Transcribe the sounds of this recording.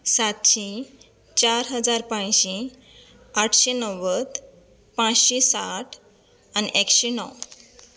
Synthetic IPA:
sat̪ɕĩ | t͡ɕaɾɦəd͡zaɾpãjɕĩ | aʈʰɕenəwəd̪ | pãt͡sɕesaʈʰ | aniʔekɕenɔ̰w

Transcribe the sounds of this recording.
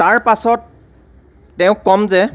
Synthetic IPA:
taɹpasɔtː | ɛʊ̃kːɔmzɛ

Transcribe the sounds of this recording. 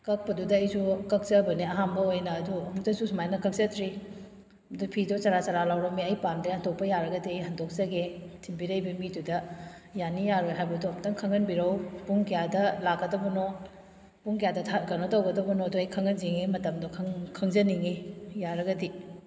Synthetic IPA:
kɐk̚pɐdudɐːjsukɐk̚sɐbɐniɐɦambɐojnɐːduɐmutɐsusumajnɐkɐk̚sɐtʰɾi | dupʰidot͡ʃɐɾat͡ʃaɾalawɾɐmiɐjpandɐɐndok̚pɐjaɾɐɡɐdiɐjɦɐndok̚sɐɡetʰimbiɾɐjbɐmidudɐjanijaɾojɦajbɐduɐmtɐŋkʰɐŋɐnbiɾɐwpuŋkijadɐlakːɐdɐbɐno | puŋkijadɐtʰaɡɐnotɐwɡɐdɐbɐnoɐduɐjkʰɐŋɐnziŋimɐtɐmdokʰŋkʰɐŋzɐniŋijaɾɐɡɐdi

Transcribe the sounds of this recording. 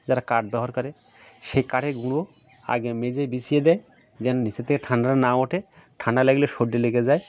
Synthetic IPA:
d͡ʒaɾakaɾʈ̚bɛɦaɾkɔɾɛ | ʃejkaʈʰeɡuɽ̃o | a̰ɡemezejbisijed̪ɛj | zɛnniset̪ʰekeʈʰaɳɖaɾɔnamoʈʰeʈʰãɳɖalaɡileʃoɖːeleɡezaj

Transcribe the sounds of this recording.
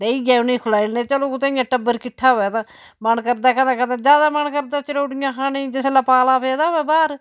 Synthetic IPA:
t̪eːiːɡaːʊnĩːkʰʊlaːilnẽːt͡ʃəloːkʊt̪ẽːɪjãːʈəbːəɾkɪʈʰːaːɦoːaːt̪ãː | mənkəɾd̪aːkə̃nd̪ãːkə̃nd̪ẽːd͡ʒjaːd̪aːməɳkəɾd̪aːt͡ʃəɽoːʈɪjãːkaːnĩːd͡ʒeselaːpaːlaːpʰeːd̪aːoɛːbaːɾ

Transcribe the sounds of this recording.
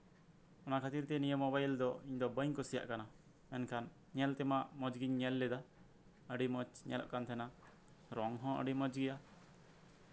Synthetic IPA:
ɔnakʰat̪iɾt̪ɛnijəmɔbajld̪ɔiɲd̪ɔbəɲkɔsija̰ʔkana | ɛnkʰan | ɲɛlt̪ɛmaʔmɔd͡ʒɡiɲɲɛlːɛd̪a | əɖimɔt͡ʃɲɛ̰lɔ̰ʔkant̪ʰɛna | ɾɔŋɦɔ̃ʔə̰ɖimɔd͡ʒɡija

